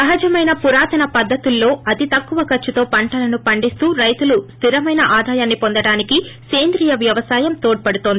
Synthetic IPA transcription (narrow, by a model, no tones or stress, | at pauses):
sɐɦɐd͡ʒɐmɐjnɐpuɾaːt̪ɐnɐpɐd̪ʱːɐt̪ulːo̞ːɐt̪it̪ɐkːuʋɐkɐɾt͡ʃːut̪o̞ːpɐɳʈɐlɐnupɐɳɖist̪uːɾɐjt̪ulust̪ʰiɾɐmɐjnɐʔaːd̪ʱaːjaːnːipond̪ɐɽaːnikike̞ːnd̪ɾijɐʋjɐʋɐsaːjɐmt̪oːɖ̚pɐɽut̪o̞ːnd̪ii